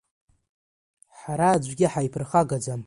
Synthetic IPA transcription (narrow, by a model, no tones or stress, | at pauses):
ħaɾaːd͡ʒʷɡʲɪħaipʰɨrχaɡad͡zam